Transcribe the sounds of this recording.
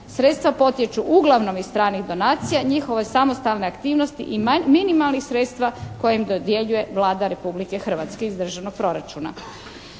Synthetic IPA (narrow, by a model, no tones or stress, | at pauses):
sɾet̪st̪ʋapo̞t̪jet͡ʃuʔuɡlˠaʋno̞mizt̪ɾaːniɣd̪o̞naːt̪sijaɲixo̞ʋe̞samo̞st̪alˠne̞akt̪iːʋno̞st̪ḭʔiminimalnixsɾet̪st̪ʋako̞jemd̪od̪je̞ʎuje̞ʋlaːd̪aɾe̞publike̞xr̩ʋat̪skeizd̪r̩ʒaʋnoɡ̚pɾo̞ɾat͡ʃuna̰